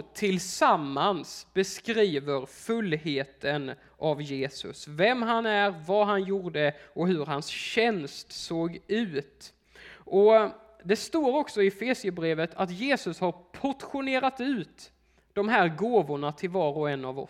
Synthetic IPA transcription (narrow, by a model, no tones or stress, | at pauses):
t̪ʰɪlsamːansb̥ɛskɾiːvəɾfɵlːheːt̪ʰən | ʔavjeːsɵ̰svɛmɦanæɾvaɦanjuːɖəɔhɵɾɦansɕɛnst̪soːɡʉ̟ːt̪ | ʔɔ | d̪ɛst̪oːɾɔksɔɪɛfeːsɪəbɾeːvət̪ʰat̪jeːsɵshaɾpʰɔʈ̪ɧʊneːɾat̪ʉ̟ːt̪ | d̪̥ɔmɦæːɾɡoːvʊɳat̪ʰɪlvɑːɾɔɛnːavɔ̰